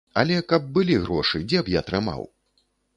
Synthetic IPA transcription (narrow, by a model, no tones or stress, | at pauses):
ɐ̰lʲɛkɐb̚ːɨlʲiɣɾɔʂɨd͡zʲɛpjat̪ɾɨma̰w